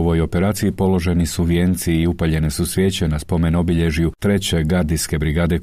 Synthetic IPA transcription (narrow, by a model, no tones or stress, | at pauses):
ʋo̞jo̞peɾaːt̪siipo̞lo̞ʒe̞nisuʋje̞nt̪siːupaʎe̞nesusʋʲje̞ːt͡ɕenaspo̞me̞no̞biʎe̞ʒujut̪ɾe̞t͡ɕe̞ɡaɾd̪iske̞bɾiɡaːd̪e